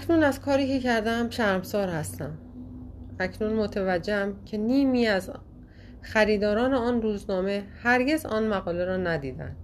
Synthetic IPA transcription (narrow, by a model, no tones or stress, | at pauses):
æcʰnunæzkʰɒːɾiːcʰe̞cʰæɾd̪ææmʃæɾmsɒːɾhæst̪æm | æcʰnunmot̪ʰevæd͡ʒːehæmcʰe̞niːmiːæz | xæɾiːd̪ɒːɾɒːneɒːnruːznɒːme̞hæɾɟe̞zɒ̰ːnmæɣɒːle̞ɾɒːnæd̪iːd̪æ̰nd̪̥